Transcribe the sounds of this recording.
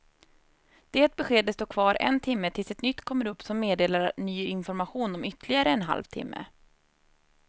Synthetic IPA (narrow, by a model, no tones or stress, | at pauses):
d̪̥eːt̪̚bɛɧeːd̪əst̪oːkʰvɑːɾʔɛ̰nt̪ʰɪmːət̪ʰɪlsɛt̪nʏt̪ːkʰɔmːəɾɵpːsɔmːeːd̪eːlaɾnyːɪnfɔɾmaɧuːnɔmʏt̪lɪɡaɾəɛnɦa̰lvt̪ʰɪ̰mːə̰